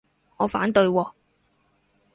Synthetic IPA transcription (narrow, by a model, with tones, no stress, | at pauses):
ŋɔː˨˧faː˨˥nt̪ɵ˧ɥwɔː˧